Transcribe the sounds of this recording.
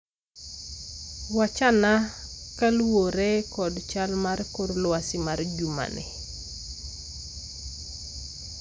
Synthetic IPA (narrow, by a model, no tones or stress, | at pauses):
wat͡ʃanakalwoɾɛkɔdt͡ʃalmarkoɾlwasɪmard͡ʒuma̰nɪ̰